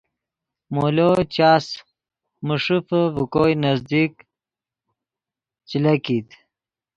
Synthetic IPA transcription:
molot͡ɕaːs | muʂufəvukojnɐzd̪ik | t͡ɕilakit̪

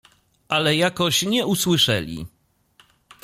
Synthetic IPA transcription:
ʔalɛjakɔɕɲɛuswɘʂɛ̰lʲḭ

